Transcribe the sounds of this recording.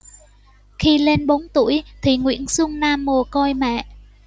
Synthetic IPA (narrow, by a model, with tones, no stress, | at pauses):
xi˧le˧nɓo˨˦nt̪ṵ˧˩əjt̪ʰi˨˩ŋwḭ˧˥ənsʊ˧ŋ͡mnaː˧mːo˨˩kɔ˧jmɛ̰˧˨